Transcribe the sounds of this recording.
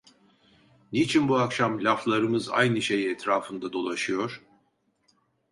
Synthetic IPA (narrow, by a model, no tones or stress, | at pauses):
nit͡ʃʰinbuakʃamlʲaflˠaɾɯmɯza̰jnɯʃe̞jiɛt̪ʰɾaːfɯnd̪ad̪o̞lˠaʃɯjo̞ɾ̥